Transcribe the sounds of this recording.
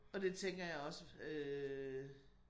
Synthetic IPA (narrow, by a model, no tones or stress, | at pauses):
ɒ̽d̥e̝t͡sʰeŋ̰ɡ̥ɐjɑ̈ɪɒ̽səø